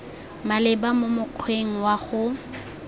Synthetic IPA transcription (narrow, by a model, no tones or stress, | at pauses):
malɪbamomʊq͡χʰweŋ̩waχʊ